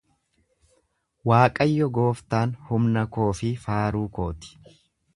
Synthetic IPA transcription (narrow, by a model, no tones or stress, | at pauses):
waːkʼɐjːɔɡo̞ːft̪aːnhʊmnɐko̞ːfɪfaːɾuːko̞ːt̪ɪ̥